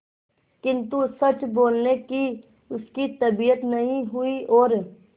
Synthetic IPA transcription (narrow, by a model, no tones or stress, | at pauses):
kɪ̃nt̪usɐt͡ʃboːlneki | ʊskit̪ɐbijət̪nɐɦĩɦʊiʔɔːɾ